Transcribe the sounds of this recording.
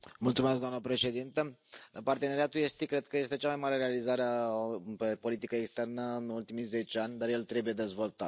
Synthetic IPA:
mult̪sumes̬kd̪oamnəpɾe̞ʃe̞d̪int̪əpart̪eneɾijat̪ujest̪ikɾe̞d̪̚kəje̞st̪e̞t͡ʃamajmaɾe̞ɾealizaɾeape̞po̞lit̪ikəekst̪ernəɨnult̪imize̞t͡ʃanʲd̪aɾje̞lt̪ɾe̞buje̞d̪e̞zvo̞lt̪at̪

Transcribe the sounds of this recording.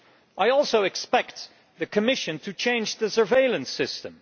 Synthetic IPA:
ʔaɪɔlˠsoʊɨkspɛk̚t̪̚ | ðɨkʰɨmɪʃɨ̃ntʰɨt͡ʃʰẽɪ̃nd͡ʒðɨsə˞veɪlˠə̃nsɪstə̃m

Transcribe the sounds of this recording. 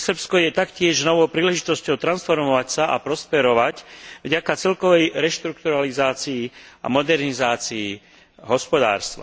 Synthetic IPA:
sr̩pskɔjɛt̪akcɪɛʒnɔʋɔʊpɾiːlɛʒit̪ɔscɔʊt̪ɾansfɔɾmɔʋacsaʔa̰pɾɔspɛɾɔʋacvɟakat͡sɛlkɔʋɛjɾɛʃt̪ɾuk̚t̪uɾalizaːt͡siia̰mɔd̪ɛɾnizaːt͡sii | ɦɔspɔd̪a̰ːɾst̪ʋa̰

